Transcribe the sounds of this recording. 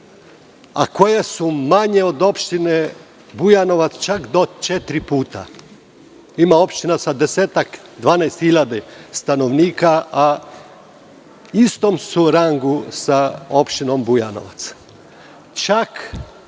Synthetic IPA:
a̰ko̞jesumaɲeo̞d̪o̞pʃt̪ine | bujano̞ʋat̪st͡ʃakd̪ot͡ʃet̪ɾipuːt̪a̰ | imao̞pʃt̪inasad̪eseːt̪akd̪ʋaːnajst̪xiʎad̪est̪ano̞ʋniːkaa | ist̪o̞msuɾaŋɡusao̞pʃt̪ino̞mbujano̰ʋa̰t̪s | t͡ʃak

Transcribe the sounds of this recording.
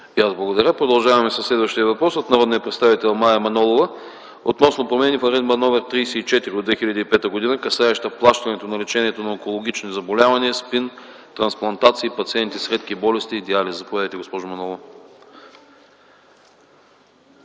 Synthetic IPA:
iazblˠɐɡod̪ɐɾʲəpɾod̪ɐlˠʒavɐmɛsɐslɛd̪vəʃt̪ijəvɐpɾɔsot̪nɐɾɔd̪niəpɾɛt̪st̪avit̪ɛlˠmajɐmɐnɔlˠovə | ot̪nɔsnopɾomɛnifɐɾɛnmɐnɔvɛɾt̪ɾijsɛit͡ʃɛt̪iɾiod̪vɛxilʲɐd̪iipɛt̪əɡod̪inəkɐsaɛʃt̪əplˠaʃt̪ɐnɛt̪onɐlɛt͡ʃɛniɛt̪onɐɛkolˠoɡ̟it͡ʃnizɐbolʲavɐniəspin | t̪ɾɐnsplˠɐnt̪at̪siːpɐt̪siɛnt̪isɾɛt̪k̟ibɔlɛst̪iːd̪ializɐpovɛd̪əjt̪ɛɡospɔʒʊmɐnɔlˠo

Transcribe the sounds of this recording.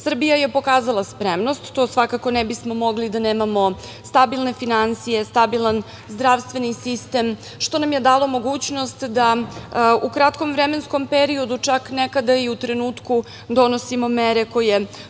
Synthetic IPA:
sr̩bijajepo̞kaːzalˠaspɾe̞mno̞st̪ːo̞ːsʋakako̞nɛbismo̞mo̞ɡlid̪aneːmamo̞ | st̪abilˠne̞finansije̞st̪abilˠan | zd̪ɾaʋst̪ʋe̞nisist̪e̞m | ʃt̪o̞namje̞d̪aːlˠo̞mo̞ɡuːt͡ɕno̞st̪d̪a | ukɾat̪ko̞mvɾeme̞nsko̞mpeɾio̞d̪ut͡ʂaknekad̪aiut̪ɾe̞nuːt̪ku | d̪o̞no̞simo̞meɾe̞ko̞je

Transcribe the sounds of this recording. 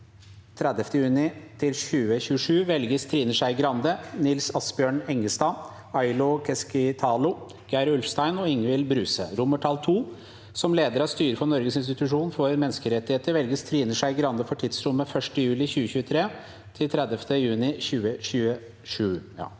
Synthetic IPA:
t̪ʰɾɛd̪ɛft̪əjʉːnɪt̪ʰɪlçʉːəçʉːəʂʉːʋɛlɡəst̪ʰɾiːnəʂæɪɡɾɑnd̪ənɪlsɑsbjøːɳɛŋːəst̪ɑː | ɑɪlʊkʰɛskɪt̪ʰɑːlʊ | ɡ̥æɪɾʉlfst̪æɪnɔɪŋʋɪlbɾʉːsə̰ɾʊmːəʈʰɑlt̪ʰuː | sɔmleːd̪əɾɑʋst̪yːɾəfɔnɔɾɡəsɪns̬t̪ɪt̪ʉʂuːnfɔɾmɛnːskəɾɛt̪ːɪheːt̪əɾʋɛlɡəst̪ʰɾiːnəʂæɪɡɾɑnd̪əfɔʈʰɪd̪sɾʊmːəfœʂʈəjʉːlɪçʉːəçʉːət̪ʰɾeː | t̪ʰɪlt̪ʰɾɛd̪ɛft̪əjʉːnɪçʉːəçʉːə | ʂʉː

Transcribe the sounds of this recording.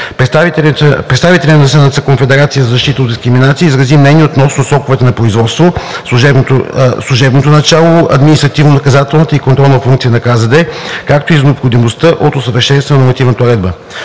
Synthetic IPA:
pɾɛt̪st̪avit̪ɛlʲət̪nɐsənat̪səkonfɛd̪ɛɾat̪sijəzɐzɐʃt̪it̪əod̪d̪iskɾiminat̪siəizɾɐzimnɛnʲiot̪nɔsnosɾɔkʊvɛt̪ɛnɐpɾoizvɔt̪st̪vosˠuʒɛslˠuʒɛbnot̪onɐt͡ʃalˠoɐ̰d̪minist̪ɾɐt̪ivnonɐkɐzat̪ɛlˠnət̪əikont̪ɾɔlˠnətfuŋkt̪sijənɐkazəd̪ɛkak̚t̪oiznɛopxod̪imost̪əʔot̪osəvəɾʃɛnst̪vənoɾmɐt̪ivnət̪əʊɾɛd̪bə

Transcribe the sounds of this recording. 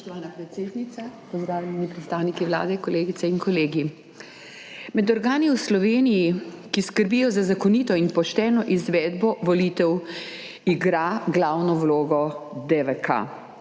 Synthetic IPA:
ɔʃt̪ɔʋaːnapɾɛt̪seːd̪nit̪sapɔzd̪ɾaːwlʲanipɾɛt̪st̪aːwnikiʋla̰ːd̪ɛkɔleːɡit̪sɛinkɔleːɡi | mɛd̪ɔɾɡaːniwslɔʋeːnijikiskəɾbijɔzazakɔniːt̪ɔinpɔʃt̪ɛːnɔʔizʋɛːd̪bɔʋɔlit̪ɛw | iɡɾaɡlaːwnɔwloːɡɔd̪ɛʋɛka̰

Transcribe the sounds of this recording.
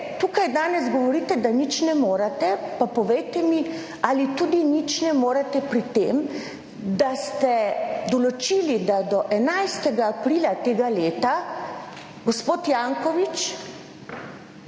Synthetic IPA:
t̪ukajd̪aːnɛzɡɔʋɔɾiːt̪ɛd̪anit͡ʃnɛmoːɾat̪ɛpapɔʋejt̪ɛmi | alit̪ud̪init͡ʃnɛmoːɾat̪ɛpɾit̪eːm | d̪ast̪ɛd̪ɔlɔt͡ʃiːlid̪ad̪ɔʔɛnajst̪ɛɡaːpɾiːlat̪eːɡaleːt̪a | ɡospoːt̪jaːŋkɔʋit͡ʃ

